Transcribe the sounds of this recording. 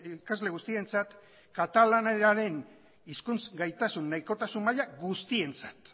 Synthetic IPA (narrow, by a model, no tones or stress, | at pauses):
ikazle̞ɣust̪ie̞nt͡sat̪ | kat̪alaneɾaɾe̞n | iskunt͡sɡajt̪asunːajko̞t̪asummaʎaɡust̪ie̞nt͡sḁt̪